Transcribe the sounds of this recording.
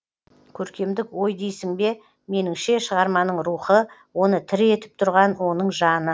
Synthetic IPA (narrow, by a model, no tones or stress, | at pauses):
kʲʰɵɾkʲe̞md̪ɪkwo̞jd̪ejsɪŋbe̞ | me̞nɪŋʃe̞ʃəʁɑɾmɑnəɴɾuχəwo̞nət̪ʰɪɾe̞t̪ɪ̥p̚t̪ʰʊɾʁɑnwo̞nəɴʒɑnə